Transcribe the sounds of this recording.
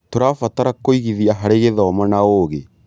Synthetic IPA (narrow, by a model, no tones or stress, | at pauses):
toɾafataɾakoiɣiðiaɦaɾeɣeðɔːmanaoːɣe